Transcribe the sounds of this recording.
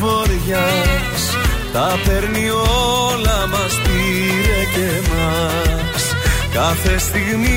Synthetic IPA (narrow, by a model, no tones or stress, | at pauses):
voɾʝɐ | s | t̪ɐpe̞ɾni | olɐmɐsp̪i | ɾet̪emɐ | s | kɐθe̞st̪iɣmi